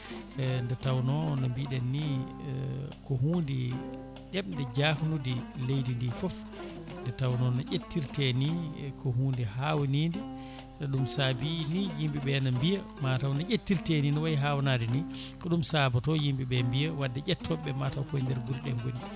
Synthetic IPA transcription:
ndɛtawnɔnambiɗɛnːi | kɔhuːndi | ɗɛmndɛd͡ʒaːhnudilejdindifɔf | ndɛtawnɔnaʔetːiɾtɛnikɔɦuːndihawnindɛ | naɗumsabinijimbiɓɛnambija | matawnaʔʲetːiɾtɛninɔwajiɦawnadɛnikɔɗumsabatɔjimbiɓɛmbijawadːɛɟɛtʰːɔɓɛmatawkɔjndɛɾɡuɾɗɛŋɡoni

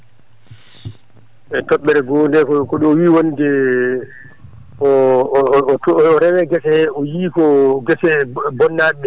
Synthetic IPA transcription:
ʔɛtɔɓːɛɾɛɡɔːndɛkɔkɔɗɔwiːwonidɛ | ɔ | tːɾɛwɛɡɛsɛhɛɔjiːkɔɡɛsɛbɔnːaɓɛ

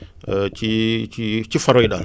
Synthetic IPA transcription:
t͡ʃit͡ʃit͡ʃifaɾɔida

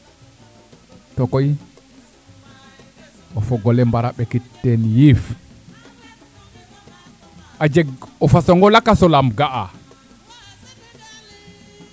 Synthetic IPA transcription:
tɔkɔj | ɔfɔɡɔlɛmbaɾaɓɛkitːɛnjif | ad͡ʒɛɡɔfasɔŋɡɔlakasɔlamɡaʔa

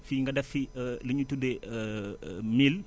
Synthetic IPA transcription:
fiŋɡɐdɐfiləɲutude | mil

